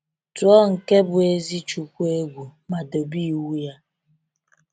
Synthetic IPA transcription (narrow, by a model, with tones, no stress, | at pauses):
tu˨ɔ˦ŋ̩˨ke˦bʊ˨e˦zi˦t͡ʃu˨kʷu˦e˦ɡʷu˨ma˨do˨bi˦˨wu˦ja˦